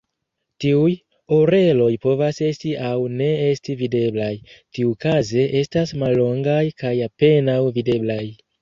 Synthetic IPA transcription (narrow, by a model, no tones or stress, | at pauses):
tiuj | oɾe̞lo̞jpo̞vase̞stiʔawne̞e̞stivide̞blajtiukaze̞ʔe̞stasmalːo̞ŋɡajkajape̞nawvide̞blaj